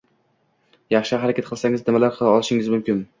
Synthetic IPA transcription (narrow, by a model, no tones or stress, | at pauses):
jɑχʃɪhaɾakʲat̪̚qɨlˠsaŋɪznɪmalaɾqʰɨlˠɒlˠɪʃɪŋɪzmʊmkʲɪn